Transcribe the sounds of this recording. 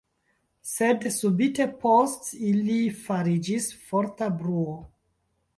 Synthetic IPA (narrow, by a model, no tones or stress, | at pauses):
se̞dsubite̞postilifaɾid͡ʒisfo̞ɾtabɾuo